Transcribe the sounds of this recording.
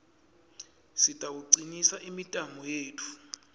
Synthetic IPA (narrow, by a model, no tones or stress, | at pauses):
sitʼauǀinisaʔimitʼamɔjeːtʰu̥